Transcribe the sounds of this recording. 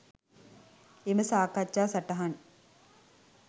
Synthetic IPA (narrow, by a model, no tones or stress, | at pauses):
eməsaːkat͡ʃːaːsaʈɐɦan